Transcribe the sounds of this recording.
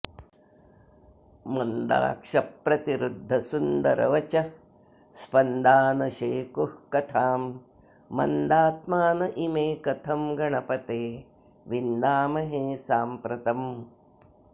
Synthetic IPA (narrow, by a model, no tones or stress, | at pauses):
mɐnd̪a̰ːkʂɐpːɾɐt̪iɾud̪ʱːɐsund̪ɐɾɐ̰ʋɐt͡ʃɐ | spɐnd̪aːnɐʃeːkuhkɐt̪ʰaːmː | ɐ̰nd̪aːt̪maːnɐʔimeːkɐt̪ʰɐmɡɐɳɐpɐt̪eː | ʋind̪aːmɐɦeːsaːmpɾɐt̪ɐm